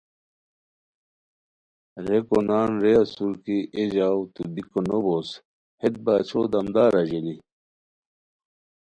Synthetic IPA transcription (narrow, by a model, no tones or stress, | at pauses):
ɾekonaːnɾeɐsuɾkiʔeʑaːwt̪ubikonobos | het̪̚baːt͡ɕʰod̪ɐmd̪aːɾɐʑeli